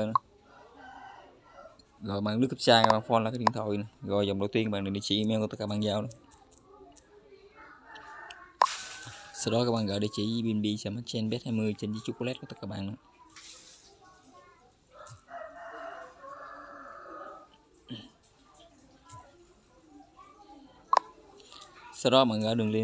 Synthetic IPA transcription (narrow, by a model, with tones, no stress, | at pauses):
ə˧˨n˨˧˦ | ɣɔ̰˧˨jɓaː˧˨nɨ˦˥əkːə˥p̚t͡ɕaː˧˩kaː˦˥˩ɓaː˧˨ŋfɔ˧nlːkaː˨˦˥i˨ŋt̪ʰo˧˩jnɔ˨˩ɣɔ̰˧˨jzɔ˨˩ŋ͡mɗə˨˩wt̪i˧nkːɓaː˨ɗe˨˩ɗe˨t͡ɕi˧˦ʔi˧mɛ˧wkːt̪ə˦˥kaː˧ɓaː˧˨zaː˧˩wnɔ˧˦ | sa˧wɗɔ˨˦kaː˦˥ɓa̰ː˨ŋɣɔ̰ː˧˨ɗe˨˧˦t͡ɕi˧˦i˧ɓi˧nɓi˧sɛ˧˩ma˧˩t͡ɕɛ˧nɓɛ˦˥t̚haː˧jmɨ˧əjt͡ɕe˧nzi˧˦˥t͡ɕu˦˥ku˧lɛ˦˥t̚ku˧˦t̪ə˦t̚kaː˧˨ɓaː˧˨na˧˨˦ | sa˧wɗɔ˨˦˧ɓaː˧˨nɣaː˨˦ɗɨ˨˩əŋle˧